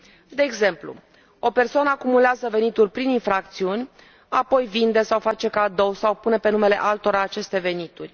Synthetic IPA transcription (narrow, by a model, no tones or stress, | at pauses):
d̪e̞ːɡze̞mplṵ | o̞pe̞rsoanəakumuleazəve̞nit̪urʲpɾininfɾak̚t̪siunʲ | apo̞jvind̪e̞sawfat͡ʃe̞kad̪o̞wsawpunepe̞nume̞le̞̰ʔalt̪o̞ɾaːt͡ʃe̞st̪e̞ve̞nit̪urʲ